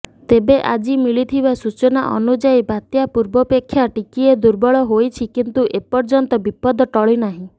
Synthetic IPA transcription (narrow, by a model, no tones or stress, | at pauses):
t̪ebeʔad͡ʒimiɭit̪ʰibasut͡ʃɔna̰ʔɔ̰nud͡ʒajbat̪japuɾbɔpekʰːjaʈikied̪uɾbɔɭɔɦojt͡ʃʰikint̪uʔepɔɾd͡ʒɔnt̪ɔbipɔd̪ɔʈɔɭinaɦĩ